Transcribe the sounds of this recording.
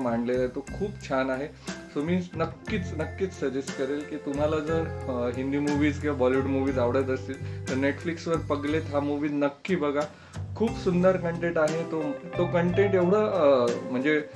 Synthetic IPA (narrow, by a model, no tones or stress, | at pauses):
m̤aɳɖlelajt̪okʰuːpt͡ɕʰanaɦe | somiːnəkːiːt͡snəkːiːt͡ssəd͡ʑesʈkəɾelkiːt̪um̤alad͡zəɾɦind̪iːmuʋiːd͡zɡebɔliʋuʈmuʋiːd͡zaʋɽət̪əst̪iːlt̪əɾneʈfliksʋəɾpəɡlet̪ɦamuʋiːnəkːiːbəɡʱa | kʰuːpsund̪əɾkəɳʈẽʈaɦet̪ot̪okəɳʈẽɳʈeʋɽ̤əm̤əɳd͡ze